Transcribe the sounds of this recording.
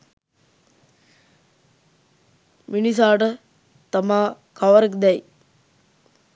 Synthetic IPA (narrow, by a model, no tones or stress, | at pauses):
minis̬aːʈə | t̪amaː | kɐʋəɾekd̪ɛj